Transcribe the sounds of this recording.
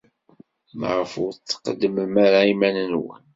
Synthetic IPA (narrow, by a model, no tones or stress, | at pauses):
mʁəfʊɾt͡sːə̥qəd̪ːəmmaɾaimænənwə̰n